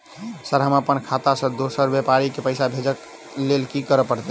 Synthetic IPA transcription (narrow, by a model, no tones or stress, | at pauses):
səɾɦəməpənkʰat̪asə̃d̪osəɾbjɛpaɾikepəɪsabʱed͡ʒək | lelkikəɾəpəɾt̪ɛ